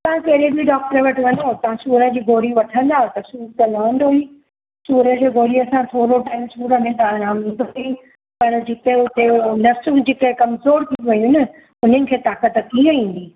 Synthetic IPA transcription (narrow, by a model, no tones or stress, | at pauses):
t̪ɐʋãkɐɦɾebɪɖɔːk̚ʈəɾəʋɐʈʰʋɐnot̪ɐ̤ãsuːɾə̃d͡ʑiːɡʱoːɾiʋɐʈʰə̃nd̪aːɦot̪ɐsuːɾt̪ɐlaːɳɖɦoi | suːɾə̃d͡ʑeːɡoːɾiɐsãt̪ʰoːɾoʈaːimsuːɾəmẽd̪aːɾaːmĩːnd̪ʱoi | pɐɾd͡ʑɪk̪eʊt̪enɐfsũd͡ʑɪkɐ̃kɐmzoːɾt̪ʰĩʋɐjũɦɪnə̆ | ʊn̤ənɪ̆kʰeːt̪aːkət̪t̪ʰĩə̃ĩːn̆d̪iː